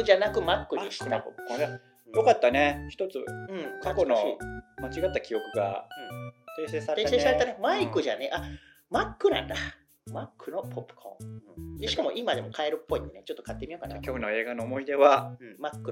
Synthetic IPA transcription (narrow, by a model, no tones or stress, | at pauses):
ʑanakɯ̟makːɯ̟eɕi̥t̪eapopɯ̥kõa | jo̞kat̪ːane̞çi̥t̪o̞t͡sɨɯ̟̃ɴkakonoimat͡ɕiɡat̪ːakʲijo̞kɯ̟ɡa̰ɯ̟̃t̪e̞ːseːsaɾeesesaɾe̞t̪anemaikɯ̟ʑaneʔa | makːɯ̟nã̰nd̪a | makːɯ̟no̞pʰo̞pːɯ̟̥kʰõ̰ɯ̟̃ɴd̪eɕi̥kamo̞ʔimad̪e̞mo̞kʰae̞ɾɯ̟pːo̞it̪ːenet͡ɕot̪ːo̞kat̪ːe̞mʲijo̞kanakʲoːno̞e̞ːɡanoːmo̞id̪e̞βaɯ̟̃makːɯ̟